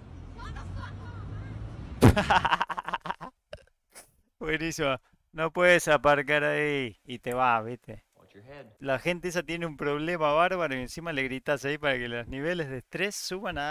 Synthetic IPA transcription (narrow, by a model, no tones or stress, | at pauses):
bwe̞nisima | no̞pweðesapaɾkaɾaiːt̪eβaβit̪e | laxe̞nt̪ees̬at̪jeneumpɾo̞βle̞maβaɾβaɾoiensimale̞ɣɾit̪asaipaɾakelosniβe̞le̞zðest̪ɾe̞sːuβana